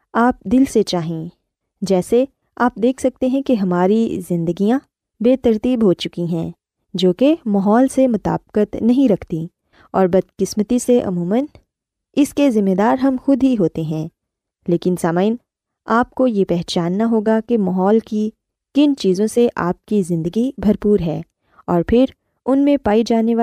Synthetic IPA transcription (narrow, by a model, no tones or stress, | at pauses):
aːp̚d̪ɪlset͡ʃaːɦẽ | d͡ʒɛːse | aːp̚d̪eːkʰsɐk̚t̪eɦɛ̃keɦɐmaːɾizɪ̃nd̪əɡijã | beːt̪ɐɾt̪iːbɦot͡ʃʊkiɦɛ̃ː | d͡ʒoːkemaɦɔːlsemʊt̪a̰ːb̚kət̪nɐɦĩɾɐkʰt̪i | ɔːɾbɐd̪̚kɪsmət̪iseʔɐ̰muːmən | ɪskezɪmːed̪aːɾɦɐmxʊd̪ʱɦiɦoːt̪eɦɛ̃ː | leːkɪnsaːmaːɪn | aːp̚kojepɛɦt͡ʃaːnːaɦoːɡakemaɦɔːlki | kɪnt͡ʃiːzõseʔa̰ːp̚kizɪ̃nd̪əɡibʱɐɾpuːɾɦɛː | ɔːɾpʰɪɾ | ʊnmẽpaːid͡ʒaːneʋa